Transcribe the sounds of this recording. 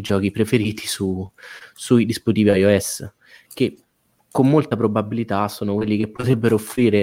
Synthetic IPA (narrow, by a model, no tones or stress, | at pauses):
d͡ʒɔːk̟ipɾefeɾiːt̪ʰisu | suid̪isput̪iːviajoɛs | k̟e | komːolt̪apɾobabilit̪asoːnokwelːik̟epːot̪ɾɛbːeɾoofːɾiːɾe